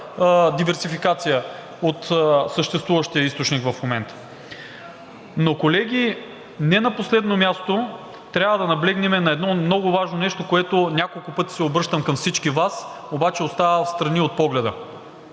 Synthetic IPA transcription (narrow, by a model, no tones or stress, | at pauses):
d̪ivɛɾsifikat̪sijə | ot̪səʃt̪ɛst̪vuvəʃt̪iəist̪ot͡ʃnikvɐfmomɛnt̪ə̥ | nokolɛɡʲi | nɛnɐposlɛd̪nomʲjast̪o | t̪ɾʲjavəd̪ɐnɐblɛɡnɛmɛnɐɛd̪nɔmnɔɡʊvaʒnonɛʃt̪okoɛt̪ʊnʲakolˠkʊpɤt̪i̥sɛobɾɤʃt̪əmkɐmfsit͡ʃkivas | obat͡ʃɛost̪avəfst̪ɾɐniot̪̚pɔɡlɛd̪ə̰